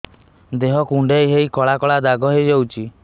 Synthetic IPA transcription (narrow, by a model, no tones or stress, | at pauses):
d̪eɦɔkuɳɖejɦeikɔɭakɔɭad̪aɡɔɦed͡ʒɔwt͡ʃʰi